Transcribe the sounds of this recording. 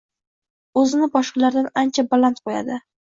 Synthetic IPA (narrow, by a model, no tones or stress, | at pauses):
ɵzɪnɪbɒʃqɑlaɾd̪anant͡ʃʰabalˠant̪̚qʰoja̰d̪ɪ